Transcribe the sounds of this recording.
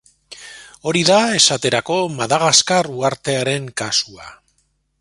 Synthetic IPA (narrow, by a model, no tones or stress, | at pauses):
o̞ɾiðae̞sat̪e̞ɾako̞maðaɣaskaruaɾt̪e̞aɾe̞ŋkasua̰